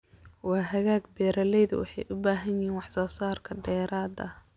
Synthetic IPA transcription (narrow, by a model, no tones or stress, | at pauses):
wɑːɦɐɣaːɡbɛːɾɐlɛjðʊwɑ̰ħɑjʔʊbaːɦɐnjɪɦiːnwɑħsɔːsaːrkʰɐɖɛːɾaːd̪ɐ